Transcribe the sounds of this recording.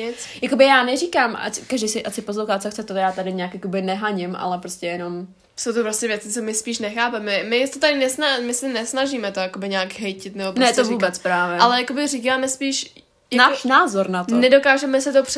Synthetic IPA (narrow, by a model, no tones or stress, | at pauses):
ɪt͡sjakobɪjaːnɛrikaːma̰kaʒdijsɪʔasɪposloxaːt̪t͡soxt͡sɛt̪ojaːt̪adɪɲaːkjako̞bɪnɛɦaɲɪmʔa̰lɛpɾo̞scɛjɛno̞m | sowt̪opɾoscɛvjɛt͡sɪ̥t͡somɪspiːʃnɛxaːpɛmɛmɪt̪ot̪adɪnɛsnamɪsɛnɛsnaʒiːmɛt̪ojakobɪɲaːɡɦɛjcɪt̪nɛbopnɛt̪ovuːbɛt͡spɾaːvjɛalɛjakobɪriːkaːmɛspiːʃ | janaːʃnaːzoɾnat̪onɛdokaːʒɛmɛsɛt̪op